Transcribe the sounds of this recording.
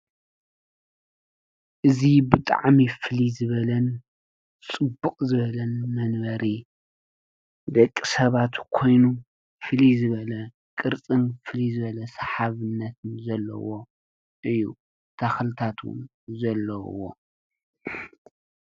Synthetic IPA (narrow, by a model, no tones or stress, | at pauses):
ʔɨzibɨt̪ʼa̰ʕmifɨlizɨβɐlɐn | t͡sʼɨbːuqʼzɨβɐlɐnmɐnbɐɾi | d̪ɐkʼːisɐβat̪kʰo̞jnu | fɨlizɨβɐlɐ | kʼɨɾt͡sʼɨnfɨlizɨβɐlɐsɐħaβɨnːɐt̪ʰɨnzɐlːɐ̰wo̞ | ʔɨjːu | t̪ʰaxlɨt̪ʰat̪ʰwʊ̰n | zɐlːɐwo̰